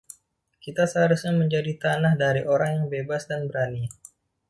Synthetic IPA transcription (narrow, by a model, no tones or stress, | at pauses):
kit̪asəɦaɾusɲaməɲd͡ʒadit̪anahdaɾiʔoɾaŋjaŋbebasdanbəɾani